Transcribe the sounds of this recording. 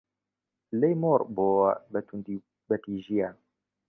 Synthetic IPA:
lɛjmɔɾbɔa̰batundi | batiʒia

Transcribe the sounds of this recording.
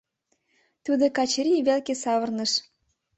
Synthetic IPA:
t̪ud̪okɑt͡ɕɾʲiβelkesɑβə̆rnə̆ʃ

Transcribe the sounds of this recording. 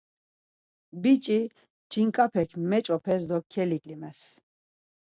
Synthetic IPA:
bit͡ʃʼi | t͡ʃʰiŋkʼapʰɛkʰmɛt͡ʃʼɔpʰɛs̬d̪ɔkʰːɛlikʼlimɛs

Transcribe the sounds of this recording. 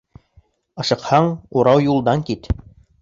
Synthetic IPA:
ɤ̆ʃɤ̆qhɑɴuɾɑwjulˠd̪ɑŋkit̪

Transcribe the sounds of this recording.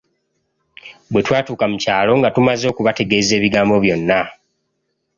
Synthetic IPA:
bwe̞twaːtuːkamucaːlo̞ŋɡatumazo̞ːkuβate̞ɡe̞ːze̞ːβiɡaːmbo̞βjo̞nːa

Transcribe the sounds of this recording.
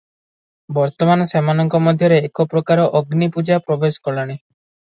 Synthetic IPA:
bɔɾt̪ɔmanɔsemanɔŋkɔmɔd̪ʱjɔɾeːkɔpɾɔkaɾɔʔɔɡnipud͡ʒapɾɔbesɔ̥kɔlaɽ̃i

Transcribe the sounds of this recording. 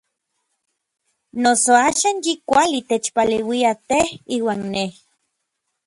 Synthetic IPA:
nosoaːʃaːnjikʷalit̪et͡ʃpalewiat̪ehiːwaːnːeh

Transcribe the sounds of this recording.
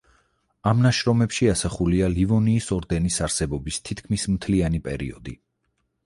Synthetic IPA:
amnaʃɾɔmɛpʃiasaχulialivɔniːsɔɾd̪ɛnisaɾsɛbɔbist̪ʰit̪̚ʰkʰmismt̪ʰlianipʼɛ̰ɾḭɔd̪ḭ

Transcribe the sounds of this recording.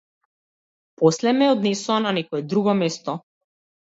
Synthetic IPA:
pɔslɛmɛɔd̪nɛsuananɛkɔɛd̪ɾuɡɔmɛst̪ɔ

